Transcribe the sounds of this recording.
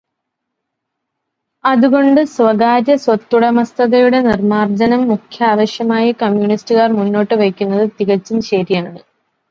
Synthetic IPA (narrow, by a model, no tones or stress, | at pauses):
ɐðuɣo̞ɳɖɨsʋɐɣaːɾɐswɐt̪ːuɽɐmɐst̪ɐɣɐjuɽe̞nirmaːrd͡ʑɐnɐmːukʰjaːʋɐɕjɐmaːjɐkɐmjuɳistɨɣaːrmunːo̞ːʈːɨʋɐkʲːunːɐðɨt̪iɣɐt͡ɕːumɕeɾijaːɳɨ